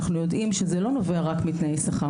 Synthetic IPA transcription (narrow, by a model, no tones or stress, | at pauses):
χnujo̞dʔimʃezelo̞no̞veaʁakmit̪naejsaχa